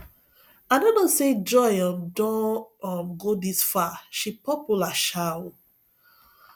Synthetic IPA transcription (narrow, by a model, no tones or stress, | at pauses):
aɪnɔdɔ̃nsed͡ʒɔjɔdɔ̃ɔɡodisfaʃipɔpjulaʃaw